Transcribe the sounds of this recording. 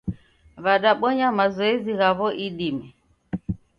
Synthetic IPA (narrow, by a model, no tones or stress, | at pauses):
βaɗaɓɔɲamazɔɛziɣaβɔʔiɗimɛ